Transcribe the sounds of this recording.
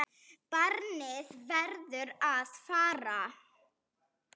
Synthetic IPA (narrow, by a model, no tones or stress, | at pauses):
paɾnɪðvɛɾðʏɾaðfaːɾa